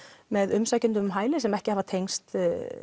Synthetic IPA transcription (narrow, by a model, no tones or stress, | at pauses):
mɛðʏmsaːjcʏnt̪̬ʏmɦaːjlɪsɛmɛhcɪhaːvat̪ʰejŋst̪